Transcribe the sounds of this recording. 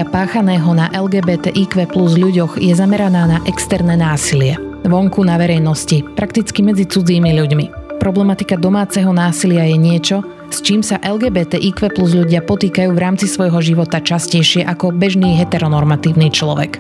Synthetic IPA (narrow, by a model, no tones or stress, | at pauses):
apaːxanɛːɦɔnaʔɛlɡɛːbɛːt̪ɛ̰ʔikʋɛpluzʎuɟɔɣjɛzamɛɾanaːnaʔɛkst̪ɛɾnɛnaːsilɪɛʋɔŋkunaʋɛɾɛjnɔscipɾakt̪it͡skimɛd͡zit͡sud͡ziːmiʎuɟmipɾɔblɛmat̪ikad̪ɔmaːt͡sɛɦɔnaːsilɪajɛɲɪɛt͡ʃɔ | st͡ʃiːmsaʔɛlɡɛːbɛːt̪ɛʔiːkʋɛpluzʎuɟɪapɔt̪iːkajuːʋɾaːmt͡sisʋɔjɦɔʒiʋɔt̪at͡ʃascɛjʃɪɛʔakɔbɛʒniːɦɛt̪ɛɾɔnɔɾmat̪iːʊniːt͡ʃlɔʋɛ̰k